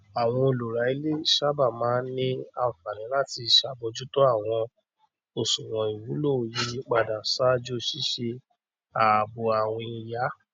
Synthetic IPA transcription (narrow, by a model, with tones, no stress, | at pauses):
a˨w̃ɔ̃˧o˧lu˨ɾa˨˦i˧˦le˦˨ʃa˦ba˦˨mãː˨˦nĩ˦a˨u˨fa˨nĩ˨˦la˦˨ti˧˨ʃa˧bo˧d͡ʒu˦to˦a˦˨w̃ɔ̃˧ | o˨sũ˨wɔ̃˨i˨wu˨˦lo˦˨ji˧˦˧k͡pa˧da˨sa˦d͡ʒo˦ʃi˦ʃe˧ | a˨bo˧a˨w̃ĩ˧ja˨˦